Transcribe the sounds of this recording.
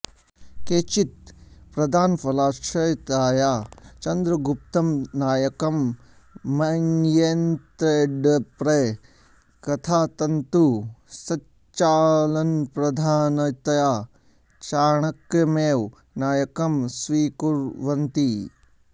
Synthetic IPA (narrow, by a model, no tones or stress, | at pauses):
keːt͡ʃit̪̚pɾɐd̪ʱaːnfɐlaːt͡ʃɐjt̪aːjaːt͡ʃɐnd̪ɾɐɡup̚t̪ɐmnaːjɐkɐmː | ɐnjent̪ɾeːɖpɾe | kɐt̪ʰaːt̪ɐnt̪usɐ | t͡ʃaːlɐnpɾɐd̪ʱaːnɐt̪ɐjaː | t͡ʃaːɳɐkɐmeːw | naːjɐkɐmsʋiːkuɾʋɐnt̪i